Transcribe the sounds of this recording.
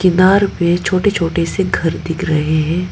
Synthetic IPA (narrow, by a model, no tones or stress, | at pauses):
kɪnaːɾpẽt͡ʃʰoːʈet͡ʃʰoːʈeseɡʱɐɾd̪ɪkʰɾɐɦeɦɛ̃ː